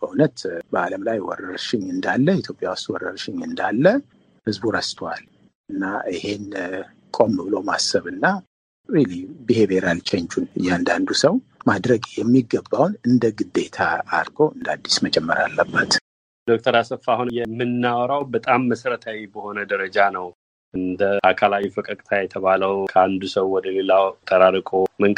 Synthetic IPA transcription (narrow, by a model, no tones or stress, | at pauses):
bəunət̪bəaləmlajwɔ̰rəɾʃɪɲɨnd̪alːəit̪ʰjo̞pʼjawʊst̪wɔɾəɾʃɪɲɨnd̪alːə | hɨzbuɾəst̪ʰwal | ʔɨnːaihe̞n | kʼo̞mːɨβɨlo̞masːəβɨnːa | wilibihe̞beɾalt͡ʃʰɛɲt͡ʃunɨjːand̪and̪usəwmad̪ɾəɡjɛmːiɡːəbːawnɨnd̪əɡɨd̪e̞t̪ʰa̰ːɾɡo̞ɨnd̪ad̪ːismət͡ʃʼɛmːəɾa̰lːəbːət̪ | d̪̥ok̚ʼt̪ʰəɾasəfahunjɛmːɨnːawɾawbət̪ʼamːəsəɾət̪ʰawibəho̞nəd̪əɾəd͡ʒanəw | ʔɨnd̪əʔakʰalawifəkʼəkʼt̪ʰajɛt̪ʰəβaləwkʰəand̪usəwːɔd̪əlelawt̪ʰəɾaɾkʼoməŋkʼ